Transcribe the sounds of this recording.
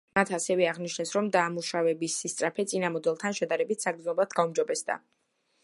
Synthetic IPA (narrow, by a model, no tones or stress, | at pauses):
mat̪ʰasɛvɛaʁniʃnɛsɾɔmd̪aːmuʃavɛbisist̪sʼɾapʰɛt̪sʼinamɔd̪ɛlˠt̪ʰanʃɛd̪aɾɛbit̪ʰsaɡd̪znɔblˠad̪̥ɡaumd͡ʒɔbɛsd̪a̰